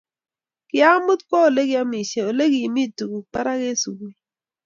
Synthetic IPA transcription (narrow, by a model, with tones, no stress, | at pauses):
kɪ˦a˦mʊ˦t̪kɔ˦o˨le˦ɡɪ˦a˦mi˨ʃe˨o˨le˦ɡi˨mi˦˨tu˨ɡu˨pa˦ɾa˦ke˦su˨ɡe˨